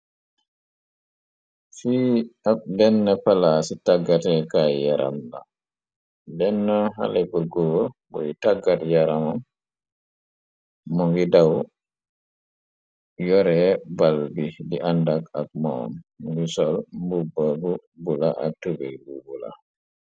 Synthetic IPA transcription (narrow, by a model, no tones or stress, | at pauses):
fiːadɛnːapalasitaɡːatɛkajjaɾʔa̰mla̰ | dɛnːɔɦa̰lebuɾɡɔɡbɔjitaɡːatjaɾamam | mɔŋɡidaw | jɔɾɛbalbidiʔandakak̚mɔ̰mɡisɔlmbubːabu | bulaʔatubɛbubula̰